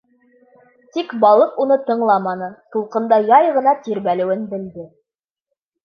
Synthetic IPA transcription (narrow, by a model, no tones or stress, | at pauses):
t̪ikbɑlˠɤqunɤt̪ɤ̆ɴlˠɑmɑnɤt̪ulˠqɤ̆nd̪ɑjɑjʁɤ̆nɑt̪iɾbælɘ̆wɘnbɘ̆ld̪ɘ